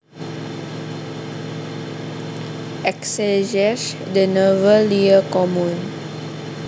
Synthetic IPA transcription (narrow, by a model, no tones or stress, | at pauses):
ʔɛksɛʒɛʃ | dənəvəliəkɔmũn